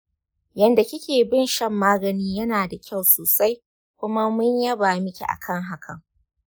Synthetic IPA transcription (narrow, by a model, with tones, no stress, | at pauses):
jɐ˨nda˨kʲɪ˦kʲeː˨bɪ˦nʃɐ˦mːaː˦ɡɐ˨niː˦jɐ˦naː˨da˨kʲa˦˨wsoː˨sa˦j | kʷʊ˦ma˦mʊ˦ɲjɐ˦baː˨mɪ˦kʲḭ˨ʔa̰˨kʰɐ˦˨ŋɦa˦kʰɐ˨ŋ